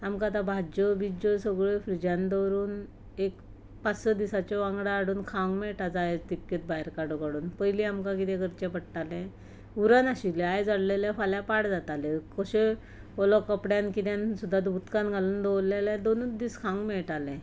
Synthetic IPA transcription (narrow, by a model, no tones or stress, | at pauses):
amkat̪ãbʱad͡ʑəbid͡ʑɔsəɡɭefɾid͡ʑand̪ɔɾuːn | ek | pat͡ssəd̪isat͡ɕɔʋãŋɡɽaːɽuːnkʰãŋɡmɛɭʈad͡zajd͡zt̪ipkːet̪̚baɦeɾkaɽukaɽuːnpəjliamkãkit̪ɛ̃ɡəɾt͡ɕɛ̃pəɽʈalɛ̃ | uɾanaɕilajd͡zəɽlelãfaljapaɽd͡zat̪alɛkəɕe | ɔlɔkəpɽjãnkit̪jãnsud̪ʱːat̪but̪kanɡʱaluːnd̪ɔwlːelãd̪onut͡sd̪iːskʰãŋɡmɛɭʈalɛ̃